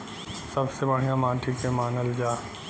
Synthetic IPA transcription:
sɐbsebɐɽ̤ijamãːʈʰikẽmaːnəld͡ʒaː

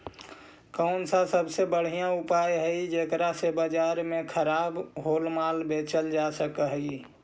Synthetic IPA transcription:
kəʊnsasəbsebəɽ̤ijãʊpajɦəid͡ʒekɾasebad͡ʒaːɾmẽkʰəɾaːbɦoːlmalbet͡ʃəld͡ʒasəkəɦi

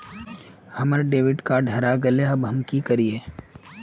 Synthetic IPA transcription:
hɐməɾɖeːʋɪɖkaɖʱɐɾaɡɐleɐbɦɐmkikɐɾieː

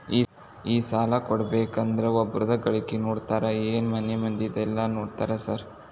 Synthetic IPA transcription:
iː | iːsaːlakɔɽbeːkːɐnd̪ɾɐɔbɾʊðɐkɐɭɪkːinuːʈt̪aːɾɐeːnmɐnɐmɐnd̪ɪt̪ɛlːaːnuːʈt̪aːɾɐsaːɾ

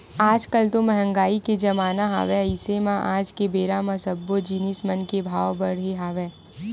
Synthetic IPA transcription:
aːd͡ʒkəlt̪omɛɦə̃ŋɡaːiked͡ʒɐmaːnaɦa̰ʋeɐɪsemãʔaːd͡ʒkebeːɾamɐsəbːod͡ʒiːnɪsmɐnkebʱaːwbɐɽeɦaːʋeː

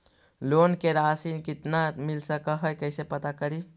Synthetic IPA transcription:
lonkeɾasinkit̪namilsəkəɦəjkəjsepət̪akəɾi

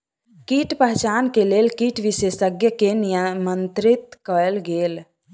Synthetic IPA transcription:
kiʈpəɦt͡ʃankelelkiʈʋisesəɡjəkenijəmənt̪ɾɪt̪kəelɡeːl

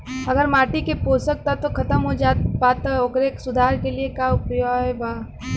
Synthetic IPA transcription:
ɐɡəɾmaːʈikepoːsək̚t̪at̪okʰɐt̪əmɦod͡ʒaːtbaːt̪aoɡɾeːksʊd̪ʱaːɾkeliekaːʊpɾɪjɔɛbaː

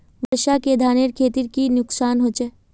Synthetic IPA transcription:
ʋəɾʃaked̪ʱaːneɾkʰeːt̪iɾkinʊksaːnɦoːt͡ʃeː

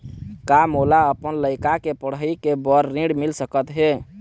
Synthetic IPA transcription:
kamolaəpənləɪkakepəɽəikebəɾːĩɽmilsəkət̪ɦe

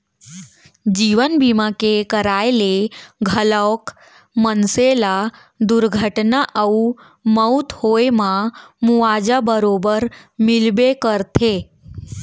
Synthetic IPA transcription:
d͡ʒiʋənbimakekəɾajeleɡʱələʋk | mənsela | d̪uɾɡʱəʈnaʔəu | məut̪hoemãmuʋad͡ʒabəɾobəɾmɪlbekəɾt̪ʰe

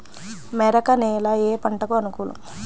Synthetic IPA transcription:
mɛɾɐkɐneːlɐeːpɐɳʈɐkuɐnukulṵm

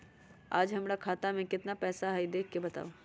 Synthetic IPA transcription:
aːd͡ʒɦɐmɾakʰaːt̪amẽkɪt̪napɛːsaɦaid̪eːkʰkːebɐt̪a̰ːoː

